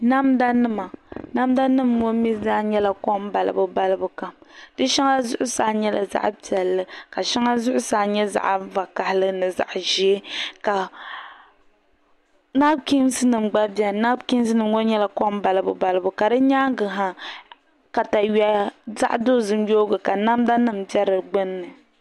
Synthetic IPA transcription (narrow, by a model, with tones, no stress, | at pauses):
na˦mda˦nɨ˦ma˨na˦mda˦nɨ˦mɡo˦i˦zaː˦ɲɛ˦la˨kɔ˦m˦ba˨lɨ̰˨bɨ˦ba˦lɨ˦bu˦ka˨mdɨ˦ʃa˦ŋa˦zʊ̰˦ʔʊ˦saː˨ɲɛ˦lʔa̰˨za̰˦ʔpi˨ɛ˨lːɨ˦ka˨ʃa˦ŋa˦zʊ˦ʔʊ˦saː˨ɲɛ˦za̰˨ʔva˨ka˨hɪ˦lɨ˦nɨ˨za̰˨ʔʒi˨e˦ka˨ | na˦b̚ki˦m˦sɨ˦nɨ˨mɡ͡ba˦bɛ˨na˦bki˦m˦sɨ˦nɨ˨mɡo˦ɲɛ˦la˨ko˦m˦ba˨lɨ˦bɨ̰˦ba˦lɨ˦bʊ˨ka˨dɨ˦ɲaː˦ŋɡɨ˨ɦa˨ | ka˨ta˨ɥɛ˨za̰˦ʔdo˦zɨ˦n˦joː˦ɡɨ˨ka˨na˦mda˦nɨ˨m̩bɛ˦ɾɨ˨ɡ͡bɨ˦nːɨ˨